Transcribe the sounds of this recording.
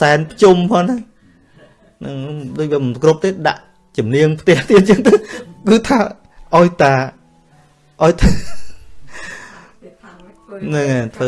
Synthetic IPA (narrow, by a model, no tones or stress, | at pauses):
saɛnpʰət͡ɕumpʰɔːŋna | nɨŋɗoːc̚ʋiːəmɨnpkrup̪̚eːɗa̰ʔ | t͡ɕumniəŋpʰt̪ɛ̆əht̪iət̪̚t͡ɕəːŋt̪əkɨːt̪ʰaː | ʔaɔjt̪aː | ʔaɔjt̪a | nɨŋat̪ʰʋəː